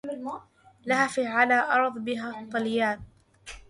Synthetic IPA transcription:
lahaːfiːʕalaːʔɑɾˤðˤbɪɦaːt̪ˤːɑljaːn

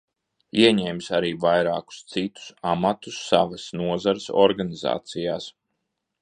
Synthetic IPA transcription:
iɛɲɛːmsaɾiːvajɾaːku̥st̪sit̪u̥samat̪usːaʋasnuɔzaɾɪsɔ̰ɾɡaniza̰ːt̪sijaːs

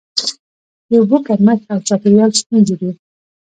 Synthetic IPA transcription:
j̪əbokaɾmaxawt͡ʃɑpɪɾjɑlst̪unzed̪i

